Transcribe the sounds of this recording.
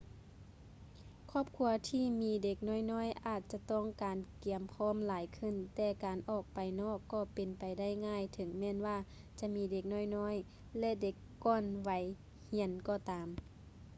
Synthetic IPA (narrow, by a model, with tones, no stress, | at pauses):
kʰɔː˧˥˩p̚kʰu˧ɐt̪ʰiː˧˥˨miː˨˧˥de˧˩k̚nɔː˥˨jnɔː˧˥˨jʔaː˧˩t̪̚t͡ɕa˧˦t̪ɔ˧˥˩ŋkaː˨nki˨əmpʰɔː˧˥˨mlaː˨˦jkʰɯ˧˩˨nt̪ɛː˧˩kaː˨nʔɔː˧˩k̚pa˨jnɔː˧˩kːɔː˧˩pe˨npa˨jda˥˨jŋaː˧˥˨jt̪ʰɤ˨˦ŋmɛː˧˥˨nwaː˧˩ | t͡ɕa˧˦miː˧˥de˧˩k̚nɔː˧˥˨jnɔː˧˥˨j | lɛ˧˨de˧˦kːɔː˧˨nwa˨˧˦j | hi˧˥ənkɔː˧˩t̪aː˨m